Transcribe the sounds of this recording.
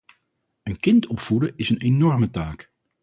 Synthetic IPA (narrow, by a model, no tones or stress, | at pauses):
ənkɪntɔpfudəɪsənenɔrmətaːk